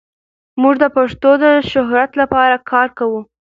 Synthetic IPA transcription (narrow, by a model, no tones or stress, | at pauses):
muʐd̪əpaʂt̪od̪əʃʊɦɾat̪lapɑɾakʰɑɾkawu